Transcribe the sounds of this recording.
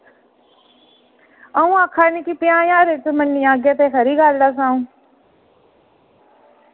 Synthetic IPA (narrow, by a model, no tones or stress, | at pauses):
aũːãːkʰaːniːkipɪjãːjaːɾeːt̪omənːiaːɡjaːt̪eːkʰəɾiːɡaːld̪aːs̬ãːũː